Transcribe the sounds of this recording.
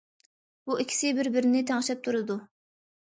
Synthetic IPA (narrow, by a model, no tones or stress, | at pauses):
b̥uikʲʰi̥sɪbɪɾbɪɾɪnɪt̪ʰɛŋɪʃɛp̚t̪ʰuɾɨd̪u